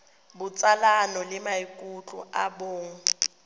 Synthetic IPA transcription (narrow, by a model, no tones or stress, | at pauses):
bʊt͡sʼalanɔlɪmaikʼut͡ɬʼʊ̰ʔaboːŋ̩